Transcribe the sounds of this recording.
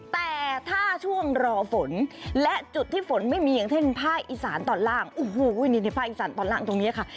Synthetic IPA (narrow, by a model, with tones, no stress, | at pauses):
t̪ɛː˨˩t̪ʰaː˥˩t͡ɕʰu˥˩əŋɾɔː˧fo˨˩˦nlɛ˦˥ʔt͡ɕu˨˩t̪ʰːiː˥˩fo˩˦nma˥˩jmiː˧ja˨˩ŋt̪ʰe˥˩npʰaː˥˩k̚ʔiː˨˩saː˩˦nt̪ɔː˨˩nlaː˥˩ŋʔo˨˩ɦoː˧˩u˧˥˩niː˧˩n˧˩pʰaː˥˩k̚ʔiː˨˩saː˩˦nt̪ɔː˨˩nlaː˥˩ŋt̪o˧ŋni˦˥ɐ˨kʰa˥˩